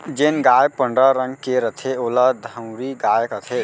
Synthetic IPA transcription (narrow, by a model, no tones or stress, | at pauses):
d͡ʒenɡaːjpəɳɖɾəɾəŋɡkeɾət̪ʰeoːlad̪ʱəwɾiɡaːjkət̪ʰe